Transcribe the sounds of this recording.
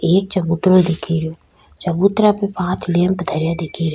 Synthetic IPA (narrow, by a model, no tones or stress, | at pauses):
eːk̚t͡ʃɐbuːt̪ɾold̪ɪkʰiɾijoː | t͡ʃɐbuːt̪ɾapepãːt̪ʰlẽːmpd̪ʱəɾjad̪ɪkʰiɾ